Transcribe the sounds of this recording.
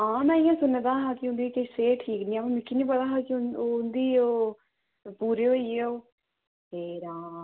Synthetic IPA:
ãːnɛ̃ːɪjãːsʊnːed̪ãːɦãːkiʊ̃nd̪iːkəseːʈʰiːknĩːapãːmɪkʰːinĩːbəɽaːɦakoʊnd̪iːoː | puːɾeːoieoː | heːɾãː

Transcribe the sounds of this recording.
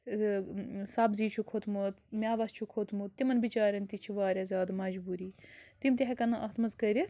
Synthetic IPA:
sɐbziːt͡ʃʰukʰot̪ʰmut̪mʲaːʋɐst͡ʃʰukʰot̪ʰmut̪t̪ːimɐnbit͡ʃaːɾʲɐnt̪it͡ʃʰiʋaːɾʲɐzʲaːd̪mɐd͡ʒbuːɾiːt̪imt̪ʲiɦɐkɐnɐʔɐɦt̪ʰmɐzkɐɾʲi

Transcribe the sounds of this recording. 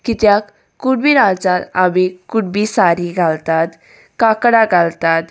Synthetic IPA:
kit̪jak | kːuɽbiɾad͡zat̪aʋikuɽbiːsaɾiɡʱalt̪at̪ | kakɽaɡʱalt̪at̪

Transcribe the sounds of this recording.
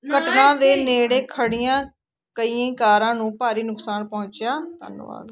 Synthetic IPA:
kəʈnãːd̪eːneːɽeːkʰəɽijãː | kəiːãkaːɾãːnũːpaːɾiːnʊksaːnpɔ̃ːɲt͡ʃjaːt̪a̰ːn̰ːʋa̰ːl

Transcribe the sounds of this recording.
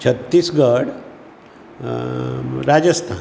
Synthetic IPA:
t͡ɕʰət̪ːiːsɡəɽ | ɾad͡ʑəst̪ʰan

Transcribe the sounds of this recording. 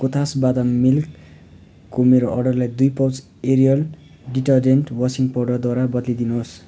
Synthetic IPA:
kot̪ʰasbad̪amilk | komeɾoʔʌrɖʌrlajd̪ujpʌwt͡s | eɾijʌl | ɖiʈʌrd͡zenʈwʌsiŋpoɖʌrd̪waɾabʌd̪lid̪inuɦos

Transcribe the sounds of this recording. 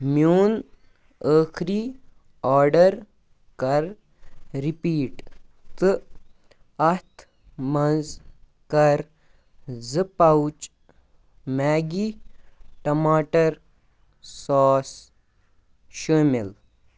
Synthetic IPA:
mjuːn | əːkʰɾiː | ɔːɾɖɐɾ | kɐɾ | ɾipiːʈt̪ɨ | ɐt̪ʰ | mɐnz | kɐɾ | zɨpɐwt͡ʃ | maːɡi | ʈɐmaːʈɐɾ | sɔːs | ʃəːmel

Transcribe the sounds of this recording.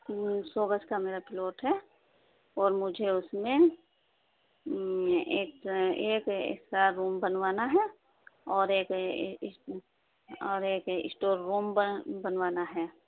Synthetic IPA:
soːbət͡ʃkameːɾapɪloːʈɦɛ | ɔːɾmʊd͡ʒʱeʊsmẽ | eːkeːkḛsaɾɾuːmbənwaːnaɦɛ | ɔːɾeːk | ɔːɾeːkɪ̰sʈoːɾːuːmbbənʋaːnaɦɛː

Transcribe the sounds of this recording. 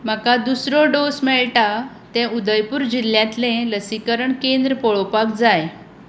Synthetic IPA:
m̤əkad̪usɾɔɖosmɛɭʈa | t̪ɛ̃ud̪əjpuɾd͡ʑiljãt̪lẽləsikəɾəɳkend̪ɾəpɔɭopakd͡zaj

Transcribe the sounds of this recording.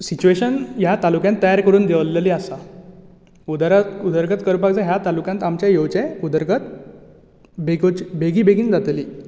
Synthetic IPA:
sit͡ɕueɕənjat̪alukjãnt̪ːəjaɾkəɾuːnd̪eʋlːliasa | ud̪ɾud̪əɾɡət̪kəɾpakd͡zaɦjat̪alukjant̪amt͡ɕjajoʋt͡ɕɛud̪əɾɡət̪̚ | bɡt͡ɕbʱeɡiːbʱeɡiːnd͡zat̪liː

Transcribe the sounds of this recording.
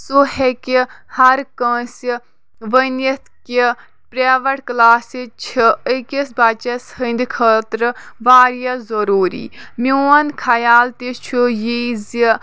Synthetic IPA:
suhekihɐɾkə̃si | ʋənit̪ki | pɾeːʋɐʈklaːsit͡ʃʰiəkisbat͡ʃɐshənd̪kʰəːt̪ɾɨʋaːɾijɐzɐɾuːɾḭːmiɐnkʰɐjaːlt̪it͡ʃʰujizi

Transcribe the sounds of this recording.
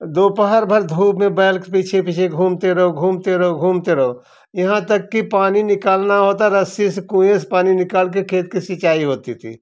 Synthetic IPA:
d̪oːpəɦəɾbʱəɾd̪ʱuːpmẽbɛːlkepiːt͡ʃʰepiːt͡ʃʰeɡʱuːmt̪eɾɐɦoɡʱuːmt̪eɾɐɦoɡʱuːmt̪eɾɐɦo | jɐɦãt̪əkːipaːninɪkaːlnaɦot̪aɾəsisekũjẽspaːninɪkaːlk̬ekʰeːt̪̚kisɪt͡ʃaːiɦoːt̪it̪ʰḭ

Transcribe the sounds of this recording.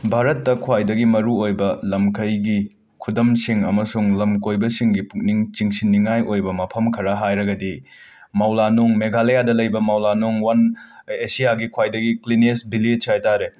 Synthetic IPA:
bʱaɾɐtːɐkʰwajdɐɡimɐɾuojbɐlɐmkʰɐjɡi | kʰudɐmsiŋɐmɐsuŋlɐmkojbɐsiŋɡipuk̚niŋt͡ʃiŋsinːiŋajojbɐmɐpʰɐmkʰɐɾɐɦajɾɐɡɐdimawlanoŋmeɡalejadɐlɐjbɐmawlanoŋwanesijaɡikʰwajdɐɡiklinesbilisʰajtaɾe

